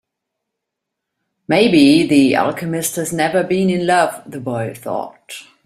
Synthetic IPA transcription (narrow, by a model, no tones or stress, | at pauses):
meɪbiðiæ̰lˠkʰɨmɪst̚hɨznɛvə˞bĩnɪ̃nlʌvðəbɔɪθɔ̰t̚